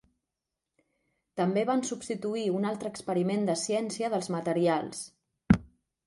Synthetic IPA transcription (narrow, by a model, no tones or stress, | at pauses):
t̪əmbeβansubst̪it̪uiunalˠt̪ɾəkspəɾimend̪əsijɛnsiəðəlˠzmət̪əɾialˠs